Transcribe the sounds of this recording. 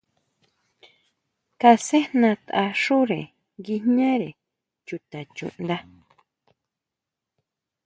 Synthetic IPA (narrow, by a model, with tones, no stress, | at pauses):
ka˧se˦nã˧t̪a˧ʂu˦ɾe˨ | ɡi˧nɲã˦ɾe˨ | t͡ʃu˨t̪ã˨t͡ʃṵ̃˨ʔnd̪a˦